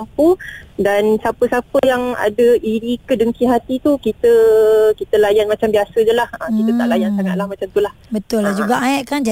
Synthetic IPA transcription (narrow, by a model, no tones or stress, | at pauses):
mpudansapəsapəjaŋa̰dəʔiɾikədəŋkiɦat̪it̪ukit̪əkit̪əlajanmat͡ʃambiasəd͡ʒəlahəkit̪ət̪aʔlajansaŋaʔ̪̚lahmat͡ʃamt̪ulahbət̪ʊlːad͡ʒuɡaʔaɛʔkand͡ʒa